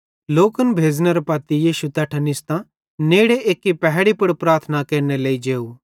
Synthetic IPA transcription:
loːkənbʱeːd͡ʒneɾɐpaːt̪ijiːʃut̪ɐːʈʰənɪst̪ã | neːɽeʔeːkːipɛɦɽipʊɽpɾaːɾt̪ʰnakeːɾneleːid͡ʒeːu

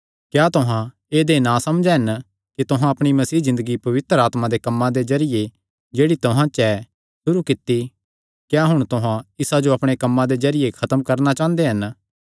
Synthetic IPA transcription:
kjaːt̪ʊɦã | eːd̪enãsɐmd͡ʒɛɦɐn | kit̪ʊɦãɐpɽ̃imɐsiːzɪ̃nd̪əɡipɐʋɪt̪ɾəaːt̪mad̪ekɐmːãd̪ezɐɾɪje | d͡ʒeːɽit̪ʊɦãt͡ʃɛ | sʊɾukɪt̪ːi | kjaɦʊɽ̃t̪ʊɦãɪsad͡ʒoɐpɽ̃ekɐmːãd̪ezɐɾɪjekʰɐt̪əmkɐɾnat͡ʃãːnd̪eɦɐn

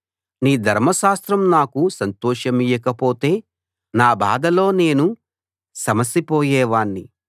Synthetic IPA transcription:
niːd̪ʱɐɾmɐʃaːst̪ɾɐmnaːkusɐnt̪ɔːʂɐmijɐkɐpoːt̪e̞ː | naːbaːd̪ɐlo̞ːne̞ːnu | sɐmɐsipoːjɛːʋaːɳːi

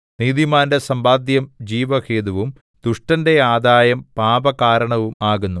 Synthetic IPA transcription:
niːðimaːndesɐmbaːd̪jɐmd͡ʑiːʋɐkeːd̪uʋum | d̪̥uʂʈɐnde̞aːd̪aːjɐmpaːbɐkaːɾɐɳɐʋumaːɣunːu

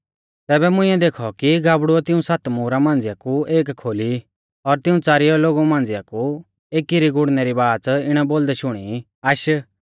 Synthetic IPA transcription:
t̪ɛːbɛmʊ̃ɪ̃ːɛ̃d̪eːkʰɔkiɡaːbɽuɛt̪ɪũsat̪muːɾamãːn̆d͡zɪjakueːkkʰːoːli | ɔɾt̪ɪũt͡saːɾɪjɔloːɡumãːnd͡zɪjaku | eːkiɾiɡʊɽnɛɾibaːt͡sɪɽ̃ɛboːld̪ɛʃʊɽ̃i | aʃə

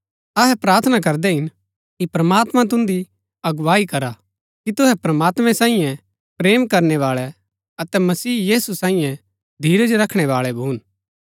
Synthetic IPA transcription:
ɐɦɛpɾaːɾt̪ʰənak̬ɐɾd̪ɛɦɪn | kipɾɐmaːt̪mãt̪̬ʊ̃nd̪i | ɐɡʋaːikɐɾa | kit̪ʊɦɛpɾɐmaːt̪mɛ̃sãːĩjɛ̃ | pɾeːmkɐɾnɛʋaːɭɛ | ɐt̪ɛmɐsiːjiːsusãːĩjɛ̃ | d̪ʱiːɾɛd͡ʒoɾɐkʰɽ̃ɛʋaːɭɛbʱuːn

